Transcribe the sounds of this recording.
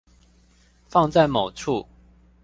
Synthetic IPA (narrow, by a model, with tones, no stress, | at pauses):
fɑ˥˧ŋt͡sa˥˩ɪmo˨˩ʊʈ͡ʂʰu˥˨